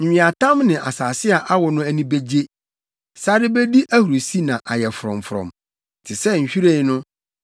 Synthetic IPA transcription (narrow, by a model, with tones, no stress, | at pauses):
ɲ̩ᶣ˨ĩ˨a˨tʰã˦mnɪ̃˨ʔa˨saː˨sɪ˦a˨ʔa˦wɔ˨nʊ̃˦æ˦nĩ˦be˦d͡ʑe˦ | sa˦ɾɪ˦be˦di˦ʔæ˦hu˨ɾo˨si˦nã˨ʔa˨jɛ˨fʊ˨ɾɔ̰̃˨mfʊ˨ɾɔ̰̃˨m˨ | tʰɪ˨sɛ˦ɲ̩˨ɕᶣi˦ɾe˦˨˦nʊ̃˦